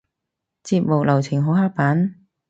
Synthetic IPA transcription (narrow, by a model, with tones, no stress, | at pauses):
t͡siː˧p̚mo˨˩w̚lɐ˨˩wt͡sʰɪ˨˩ŋɦo˨˥whaː˥k̚paː˨˥n